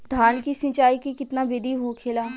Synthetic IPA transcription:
d̪ʱaːnkisɪ̃t͡ʃaːikikɪt̪nabed̪ʱiɦokʰeːlaː

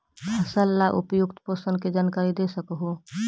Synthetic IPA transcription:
həsəlːaʔupjʊkt̪posənked͡ʒankaɾid̪esəkɦo

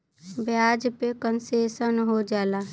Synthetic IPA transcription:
bjaːd͡ʒpekənseːsənɦod͡ʒaːlaː

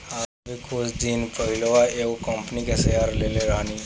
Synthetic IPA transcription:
a | ʋɪkʊsd̪iːnpəɦɪloʋaeokəmpnikesəjaːɾleːleɾaɦniː

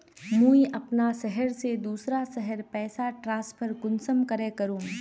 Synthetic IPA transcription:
mũːiʔɐpnasɛɦəɾsed̪uːsɾasɛɦəɾpɛːsaʈɾãːspʰəɾkʊnsəmkɐɾekɐɾũː

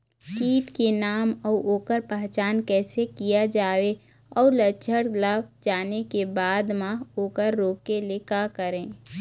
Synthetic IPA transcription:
kiːʈkenaːmɔːoːkəɾpəɦt͡ʃaːnkɛːsekijad͡ʒaːwe | ɔːɾləʃʰəɽɡlaːbd͡ʒaːnekebaːd̪maːɦoːkəɾːoːkelekakəɾẽː

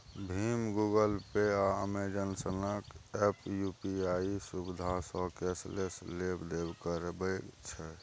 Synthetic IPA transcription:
bʱimɡuɡəlpeaə̰med͡ʒənsənəkɛpʰjupiaisubid̪ʱasɔkesleslebd̪ebkəɾbət͡ʃʰɛ

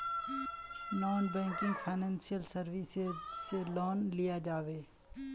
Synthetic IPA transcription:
noːnbɛ̃ːŋkɪ̃ŋɡpʰaːnɛ̃ːnsɪjəlsəɾʋiːseseːloːnlɪjaːd͡ʒaːʋeː

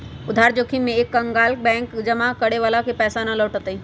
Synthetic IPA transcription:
ʊd̪ʱaːɾd͡ʒokʰimẽekːɐ̃ŋɡaːlk̚bɛ̃ːŋkd͡ʒɐmakɐɽeʋaːlakepɛːsanalɔːʈot̪əĩ

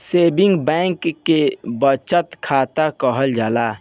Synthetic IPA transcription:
seːbɪ̃ŋɡbɛ̃ːŋkːebət͡ʃət̪kʰaːt̪akəɦəld͡ʒaːlaː

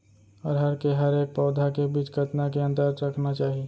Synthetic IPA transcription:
ɔːɾɦəɾkeɦəɾeːk̚pɔːd̪ʱakebiːt͡ʃɡət̪nakeə̃nd̪əɾɾəkʰnat͡ʃaːɦie

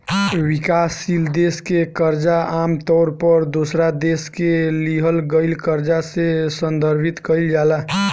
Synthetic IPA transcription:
wikasild̪eskekəɾd͡ʒaamt̪ɔʊɾpəɾd̪osɾad̪eskeliɦəlɡəɪlkəɾd͡ʒasesənd̪ʱəɾbʱit̪kəɪld͡ʒala

